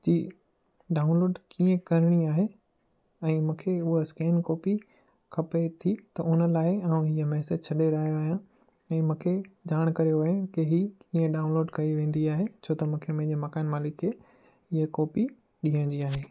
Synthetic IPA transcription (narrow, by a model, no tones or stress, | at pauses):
d͡ʑiː | ɖaːʊnloːɖkĩːẽkɐɾɪɽ̃iaːɦe | ɛ̃ːmũːkʰeʊɦaskɛːnkɔːpi | kʰɐpet̪ʰit̪ɐʊnəlaːɪãːũɦiəmɛːsəd͡ʑt͡ɕʰɐɗeɾɐɦijoaːɦijã | ɛ̃ːmũːkʰed͡ʑaːɽ̃kɐɾijoʋɐẽkɪɦikĩːẽɖaːʊ̃nloːɖkɐiʋẽːnd̪iaːɦet͡ɕʰoːt̪ɐmũːkʰemɐ̃ɪ̃d͡ʑeːmɐkaːɪnmaːlɪkʰːe | ɪɦekɔːpi | ɗiːɦə̃ɽ̃ɲd͡ʑiaːɦeː